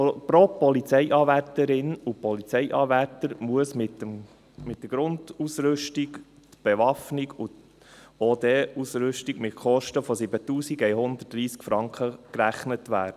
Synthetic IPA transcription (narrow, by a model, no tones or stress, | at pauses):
pɾoːpɔlit͡sɛɪʔɑːværtəɾɪnupɔlit͡sɛɪʔɑːvæɾtəɾmuəsmɪtəm | mɪt̚d̥əɡɾʊndusɾʏʃtiɡ | t̪b̥ɛʋɑfniɡut | oːd̪eːusɾʏʃtiɡmɪtχɔʃtəfɔsɪbətuːsiɡɛɪɦʊnd̪ətːɾiːskfɾɑŋkχəkɾæχnətʋæːɾd̥ə